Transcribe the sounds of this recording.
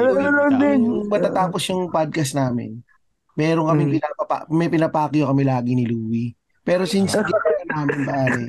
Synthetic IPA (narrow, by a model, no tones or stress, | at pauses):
lɐbɛʊŋmɐt̪at̪aːposjʊŋpad̪̚kɐsnaːmɪ̰n | mɛːɾoŋkɐmɪŋpɪnaːpɐpa̰mɛpɪnɐpaːkɪjokɐmɛlaːɡɪnɪluːwi | pɛːɾosinsɡikajɐnaːmɪnpaːɾɛ